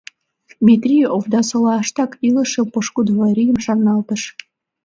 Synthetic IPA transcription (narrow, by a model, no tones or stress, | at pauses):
dmʲit̪rʲijovd̪ɑsolɑʃt̪ɑkilə̆ʃə̆mpoʃkud̪vɑɾʲijəmʃɑnːɑlt̪ə̆ʃ